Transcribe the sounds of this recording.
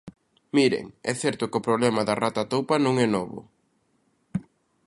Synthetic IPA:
miɾḛŋɛθɛɾt̪ʊkʊpɾoβlɛmɐðɐrat̪at̪owpɐnõŋɛnɔβʊ̰

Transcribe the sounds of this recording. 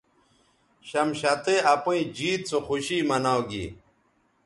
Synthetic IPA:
ɕɐmɕat̪eɐpũĩd͡ʑiːt̪̚t͡soxuɕiːmɐnawɡḭ

